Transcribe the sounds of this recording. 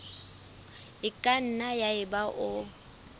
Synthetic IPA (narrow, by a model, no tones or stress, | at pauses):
ɪkʼan̩najaɪbaʔʊ